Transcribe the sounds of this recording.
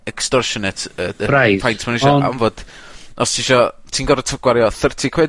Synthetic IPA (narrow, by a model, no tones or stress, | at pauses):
ɛkstɔrʃɔnɛtʰəɾajfʰajntʰmaniʃɔa̰mvoːd̥ɔstʰiʃɔtʰiːnɡɔɾətʰəɡ̥waɾjɔθərtʰikʰwɛd